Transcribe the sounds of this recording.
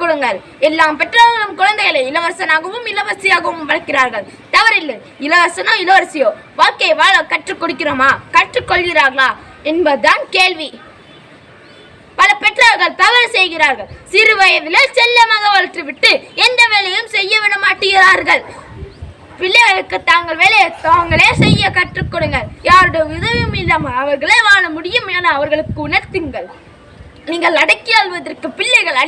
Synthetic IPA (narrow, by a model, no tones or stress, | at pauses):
kːɔɽɯŋɡɐɭ | ɛlːaːmpɛʈraːɾɣɐɭɯmkʊɻɐnd̪ɐjɐɭeɪlɐʋɐɾsɐnaːɣɐʋɯmɪlɐʋɐɾsɪjaːɣɐʋɯmʋɐɻɐkːɪɾaːɾɣɐɭ | t̪ɐʋɐɾɪlːɐ | ɪlɐʋɐɾsɐnoːɪlɐʋɐɾsɪjoːʋaːkːeːʋaːɭɐkɐʈrɯkːɔɽɯk̬ːɪɾoːmaːkɐʈrɯkːɔɭɣɪɾaːɾɣɐɭaː | ɛnbɐðaːnkeːɭʋi | pɐlɐpɛʈraɐɾɣɐɭt̪ɐʋɐɾsɛjɣɪɾaːɾɣɐɭsɪɾɯʋɐjɐʋɪlɐt͡ʃɛlːɐmɐɣɐʋɐɭʈrɯʋɪʈːɯɛnd̪ɐʋeːlɐjɯmsɛjːɐʋɪɽɐmaːʈːɯɣɪɾaːɾɣɐɭ | pɪɭːɐɣɐɭɯkːɯt̪ːaːŋɡɐɭʋeːlɐjt̪aːŋɡɐɭeːsɛjːɐkɐʈrɯkːɔɽɯŋɡɐɭjaːɾɯɽɐʋɪðɐʋɯmɪlːɐmɐʋɐɾɣɐɭeːʋaːɳɐmʊɽɪjɯmeːnɐːʋɐɾɣɐɭɯkːɯʊnɐɾt̪ːɯŋɡɐɭ | niːŋɡɐɭnɐɽɐkːɪɐːlʋɐðɐrkɯpɪɭːɐɣɐɭɐ